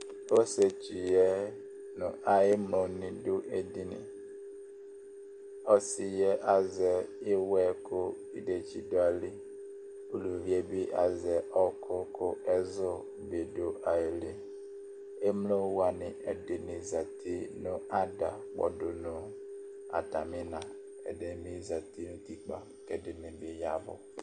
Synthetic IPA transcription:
o˦se˨t͡ʃi˨jɛ˦ | nʊ̰̃˨ʔa˨ɪ˦mlõ˨nɪ̃˨dʊ˦ʔe˨di˦nɪ̰̃˨ | ɔ˦sɪ˨jɛ˦ʔa˨zɛ˨ɪ˦wɛ˦kʰʊ˦ | i˦de˨t͡ʃi˦dʊ˦a˨li˦ | o˨lu˨vi˦ɛ˦bi˦ʔa˨zɛ˨ʔɔ˦kʰʊ˦kʰʊ˦ɛ˦zʊ˦ | be˨do˨ʔa˨e˨le˦ | e˦m˦lo˦wa˨nɪ˨ɛ̰˨dɪ˨nɪ̃˨za˨tʰi˦nʊ̃˦a˦da˨k͡pɔ̰˨dʊ˨nʊ̃˦ | a̰˨ta˨mɪ̃˦nã˨ | ɛ̰˨dɛ˦mĩ˦za˨ti˦nʊ̃˦ti˦k͡pa̰˨ | kɛ˨dɪ˨nɪ̃˨bi˨˦ja˦bʊ̰˨

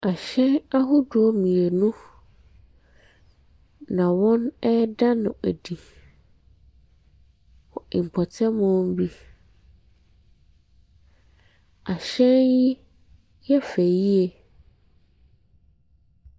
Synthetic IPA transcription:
a˨ɕɛ̃˦na˦ɦʊ˦du˨ɔ˦mĩ˨e˨nʊ̃˦ | nã˨wɔ̃˦nɛ˦dã˦nʊ̃˨æ˨di˨ | wɔ˨ɪ˨m̩˨pʰɔ˨tʰɛ˦mʊ̃˦m˦bi˦ | a˨ɕɛ̃˦nji˦ | jɛ˦fe˨ji˦e˨

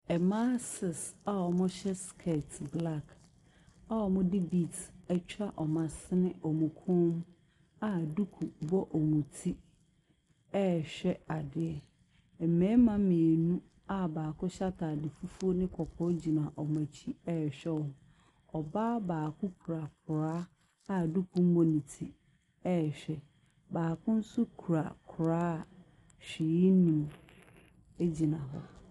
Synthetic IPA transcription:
ɛ˨mã˦sɪ˨sa˦ɔ˨mʊ̃˦ɕɛ˦skʰɛ˦˨tʰbla˦˨k | a˦wɔ˨mʊ̃˦dɪ˦bi˨tɛ˦t͡ɕʰᶣa˦ʔɔ˨mã˨sɪ˦nɪ̃˦ʔɔ˨mũ˨kʰʊ̃˦m˦ | a˦˨du˦kʰu˨bɔ˦ʔɔ˨mũ˨tʰi˦ | ɛ˦˨ɕᶣɛ˦a˨dɪ˨˦ɛ˨ | ɛ˨mɛ̃˦mã˦mɪ̃˨e˨nũ˦ | a˦baː˨kʰʊ̃˦ɕa˦tʰa˨dɪ˨fu˦fu˦o˦nɪ̃˦kʰɔ˨pʰɔ˦d͡ʑi˨nã˨ʔɔ˨mæ̃˨t͡ɕʰi˦ɛ˦˨ɕᶣɛ˦wɔ˨ | ɔ˨ba˦baː˨kʰʊ̃˦kʰu˨ɾa˨k̚ʰʊ˨ɾaː˦ | a˨du˦kʰũ˦m˦bõ˨nĩ˨tʰi˦ | ɛ˦˨ɕᶣɛ˦ | baː˨kʰʊ̃˦n̩˦sʊ˦kʰu˨ɾa˨kʰʊ˨ɾaː˦˨ | ɕᶣɪ˨ji˦nĩ˨m | e˦d͡ʑi˨nã˨ɦɔ˦˨

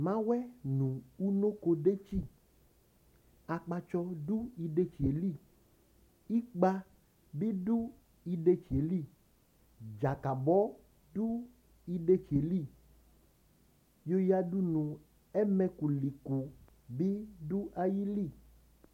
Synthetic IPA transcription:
mã˦wɛ˦nũ˨u˦nõ˦ko˧ɖe˦t͡ʃi˦˨ | a˨k͡pa˧t͡ʃɔ˧du˦i˨ɖe˦t͡ʃi˨e˨li˦˨ | i˦k͡pa˦ | bi˦ɖu˦ | i˨ɖe˦t͡ʃi˨e˨li˦˨ | d͡ʒa˨ka˨bɔ˦ | ɖu˦ | i˨ɖe˦t͡ʃe˨li˦˨ | jo˦ja˨ɖu˦nũ˨ | ɛ˦mɛ̃˦ku˨li˨ku˨ | bi˦du˦ʔa˨ji˦li˦˨

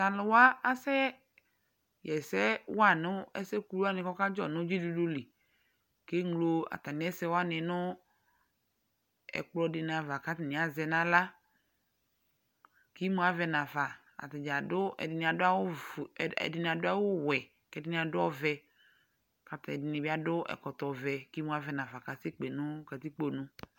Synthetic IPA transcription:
ta˨lʊ˨wa˦a˦sɛ˦ | jɛ˨sɛ˦wa˦nʊ˦ɛ̰˦sɛ˦ku˦ɾu˦a˦nɪ̃˨kɔ˦ka˦d͡ʒɔ˦nʊ̃˦d͡ʒi˦du˨du˦li˨ | ke˦ŋlo˦a̰˨t̪a˨nɪ̃˨˦ɛ˦sɛ˦wa˦nɪ̃˨nʊ̃˦ | ɛ̰˨k͡plɔ˦dɪ˨n˨a˨va˨ka˦tɪ˨nɪ̃˨a˨zɛ˨nã˦la˦ | ki˦mũ˦a˨vɛ˨nã˨va˨ | a̰˨t̪ɪ˨d͡ʒa˨dʊ˦ɛ̰˨dɪ˨nĩ˨a˨dʊ˦a˦wʊ˦˨ | ɛ̰˨dɪ˨nĩ˨a˨dʊ˦a˦wʊ˦wɛ˨ | kɛ˦dɪ˦nĩ˨a˨dʊ˦ɔ˦vɛ˨ | ka˨t̪ɛ˨dɪ˨nɪ̃˨bi˦a˦dʊ˦ʔɛ̰˨kɔ˨t̪ɔ˨vɛ˨ki˦mũ˦a˨vɛ˨nã˨va˨ka˨sɪ˦k͡pe˨nʊ̃˦kɛ˨t̪i˦k͡po˦nʊ̃˦

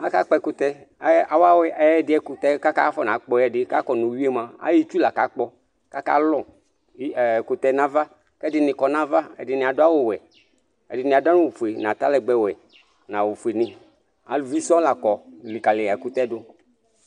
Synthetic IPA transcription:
a˦ka˦k͡pɛ˧˨kʊ˦t̪ɛ˦a˨wa˦wɛ˦ɛ˦ɛ˦˨dɪ˦ɛ˦kʊ˨t̪ɛ˦ka˦ka˦fɔ˦nã˨˦k͡pɔ˦ɛ˦dɪ˦ka˦kɔ˨nu˨wi˦e˦mã˨a̰˦ji˦t͡ʃu˦la˨ka˨˦k͡pɔ˦ | ka˦ka̰˦lɔ˦˨˦ | kʊ˨t̪ɛ˨nã˦va˦ | kɛ˦dɪ˨nɪ̃˨kɔ˨na˦va˦ɛ̰˨dɪ˨nɪ̃˨a˨dʊ˦a˦wʊ˨wɛ˨ | ɛ̰˨dɪ˨nɪ̃˨a˨da˦nʊ̃˦wu˨fu˨e˨nã˨t̪a˦lɛ˨ɡ͡bɛ˦wɛ˨ | nã˨wʊ˨fu˨e˨nɪ̃˨ | a˨lvi˦sɔ̃˦la˨kɔ˨li˨ka˨lɪ˨a˨kʊ˦t̪ɛ˦dʊ˦

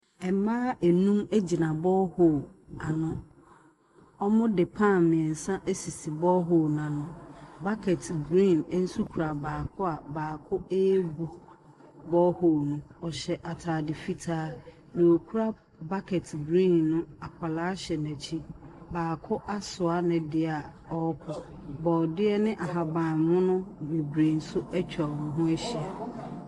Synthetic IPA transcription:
ɛ˨mãː˦æ˨nũ˦mæ˦d͡ʑi˨nã˨bɔ˦ho˦˨a˨nʊ̃˦ | ɔ˦mʊ̃˦dɪ˨pʰã˦˨mɪ̃˨ɛ̃˨n̩˨sã˦ʔe˦si˨si˨bɔ˦ɦo˦nã˨nʊ̃˦ba˦kʰɛ˨tʰɡɾĩ˦˨n˦n̩˦su˦kʰu˨ɾa˨baː˨kʰʊ˦a˨baː˨kʰʊ˦e˦bu˨ | bɔ˦ho˦˨nũ˦ɔ˨ɕɛ˨ʔa˨tʰaː˨dɪ˨fi˦tʰaː˦ | nɪ̃˨o˨kʰu˦ɾa˦ | ba˦kʰɛ˨tʰbɾĩ˦˨nːʊ̃˦a˨kʰa˨laː˦ɕɛ˨næ˨t͡ɕʰi˦baː˨kʰʊ˦ʔa˦sʊ˨a˦nɪ̃˨dɪ˦a˨ | ɔ˦kʰʊ˨bɔ˨dɪ˦ɛ˦nɪ̃˦ʔa˨ɦa˨bã˨nmʊ̃˦nʊ̃˦me˨bɾe˨n̩˨sʊ˦æ˦t͡ɕᶣa˨ʊ̃˨ɦʊ̃˦æ˦ɕi˨a˨

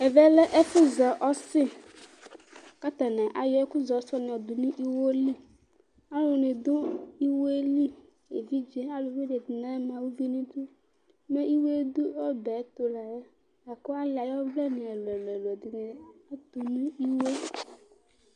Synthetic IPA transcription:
e˨vɛ˦le˦ʔe˦fu˦zɔ˨ʔɔ˦sɪ˦ | ka˦t̪a˨nã˨ʔa˨jɔ˨˦ku˦zɔ˨˦sɔ˦nĩ˨ɔ˨d̪u˨nĩ˦ʔi˦wo˦li˦ | a˦lo˨nĩ˨d̪u˦i˦wo˦e˦li˦ | e˨vi˦d͡ʒe˦a˦lu˨vi˦ɖe˨d̪nã˦mã˨wu˦vi˦nĩ˦d̪u˦ | mẽ˦i˦wo˦e˦d̪u˦ɔ˦bɛ˨˦t̪o˦la˨e˦ | a˨ko˦a˦lɪ˨a˨jɔ˦vlɛ˦nĩ˨ɛ˨lɛ˨lɛ˨lo˨ɛ˨d̪i˨nĩ˨˦a˦t̪u˨nũ˦i˦we˦

